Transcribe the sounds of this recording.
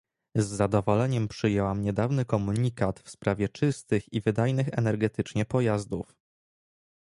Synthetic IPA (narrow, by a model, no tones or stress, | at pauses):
zːad̪ɔvɔlɛɲɛmpʂɘjɛwamɲɛd̪avnɘkɔmuɲikat̪fspɾavʲjɛt͡ʂɘst̪ɘxivɘd̪ajnɘxɛ̰nɛɾɡɛt̪ɘt͡ʂɲɛpɔjazd̪uf